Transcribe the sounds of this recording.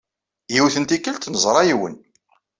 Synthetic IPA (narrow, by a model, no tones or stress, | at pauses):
jiwθənt̪ikːəlt̪nəzˤɾˤɑjiwə̰n